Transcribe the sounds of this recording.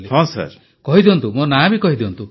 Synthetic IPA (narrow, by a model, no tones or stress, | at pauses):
eɦɔ̃sa̰ɾ | kɔɦid̪iɔnt̪umonabikɔɦid̪iɔnt̪u